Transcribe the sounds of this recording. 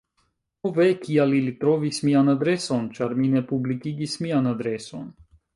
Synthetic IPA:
ovekialilit̪ɾovismianad̪ɾeso̞nt͡ʃaɾminepublikiɡismianad̪ɾeso̞n

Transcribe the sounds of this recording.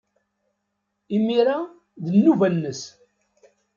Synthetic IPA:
imiɾa | ðənːuvænːəs

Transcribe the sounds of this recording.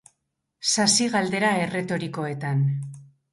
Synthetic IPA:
sasiɣald̪e̞ɾae̞re̞t̪o̞ɾiko̞e̞t̪an

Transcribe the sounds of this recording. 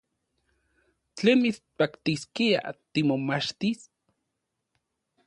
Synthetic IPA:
t͡ɬeːnmit͡spakt̪iskia̰t̪imomaʃt̪is

